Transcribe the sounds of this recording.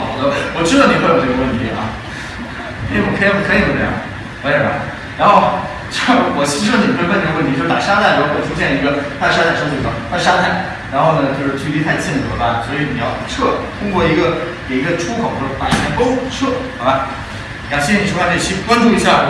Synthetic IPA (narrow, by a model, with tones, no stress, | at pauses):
d̪ə˦wɔ˨˩ʈ͡ʂɻ̩˥d̪ɑ˧˩ni˨˩kʰwo˨˩e˥˧ɡə˧wə˥˩nt̪ʰi˧˥ʔɐ̰˥˧ | e˥˩˥wɔ˨˩kʰkʰɤ˧˥i˧˩jo˨˥n˥˧˩jɑ̰˥˩ | ə˧˥˩a̰˧˩ | ɻa˧˥nxo˥˩ʊ | t͡ɕo˥˩ʂwɔ˨˩t͡ɕʰi˧˥˧i˨˩kə˥˧˩wt̪ʰt͡ɕo˥˧ʂa̰˨˩ʂa˥t̪ʰa˥˩ɪɻʰu˥ɕ̬jɛ˥˩nə˩i˧˥ɡə˧t̪ʰa˥˩ə˧ʂa˥a˥˩ɪʂə˥ŋ˥˩i˧˩a˥˩t̪ʰa˥ə˧ʂa˥t̪ʰa˥˩ɪ | ɻa˧˥nxo˥˩ʊnə˩t͡ɕjo˥˧ʊʂɻ̩˧t͡ɕʰy˥˧i˥˧t̪ʰa˥˧ɪt͡ɕʰɛ˥˩nə˨˩˥ba˥˩swɔ˧˥i˧˥ni˨˩jɑ˥˧ʊʈ͡ʂʰɤ˥˩t̪ʰʊ˥ŋkwɔ˥˩i˧˥ɡə˧ke˨˩ɪi˧˥ɡə˧ʈ͡ʂʰu˥kʰo˨˩ʊt͡ɕo˥˩ʂ̩˥pa˧˩˨ɕʰjɛ˥˩ko˥ʊʈ͡ʂʰɤ˥˩˥ba˧˩ | i˨˩˥ɕi˥ʂʰo˥˩ʈ͡ʂe˥˩i˥˩˥kwa˥nʈ͡ʂu˥˩i˧˥ɕja˥˩